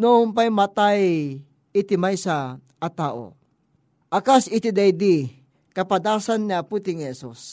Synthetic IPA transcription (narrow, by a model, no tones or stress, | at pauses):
noʊmpajmat̪aj | it̪ɪmajsa | ʔːt̪aːʔo̰ | ʔɐkasɪt̪ɪd̪ajd̪i | kɐpad̪aːsanːiaput̪ɪŋhɛsus